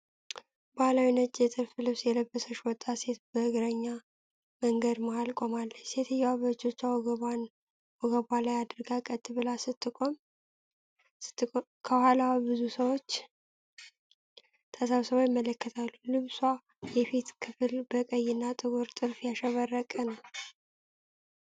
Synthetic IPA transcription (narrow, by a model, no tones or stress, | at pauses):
bahalawinət͡ʃʼːjɛt̪ʼɨɾflɨβsjɛləbːəsəʃwɔt̪ʼːase̞t̪̚bəhɨɡɾəɲːa | məŋɡəd̪maalkʼo̞malːəset̪ʰɨjːwaβət͡ʃːo̞t͡ʃːawɡan | wɔɡəβalajad̪ɾɡakʼət̪ʼːɨβɨlasɨt̪ːɨkʼom | t̪ːʼ | kʰəhalawbɨzusəwo̞t͡ʃː | t̪ʰəsaβsəβojɪmːələkːət̪ʰalːulɨβswa | jɛfit̪kʰɨfɨlbəkʼəjːɪnːat̪ʼɨɡuɾt̪ʼɨɾfjaʃəβərːəkʼənəw